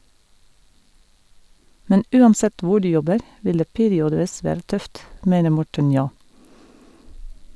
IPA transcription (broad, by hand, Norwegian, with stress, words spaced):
ˈmɛn ˈʉːɑnˌsɛt ˈʋʊ ˈɖʉː ˈjɔbəɾ ˈʋɪl ˈdeː ˈpeːɾɪɔdəˌʋɪs ˈʋæːɾə ˈtœft ˈmeːnə ˈmɔʈən ˈnjoː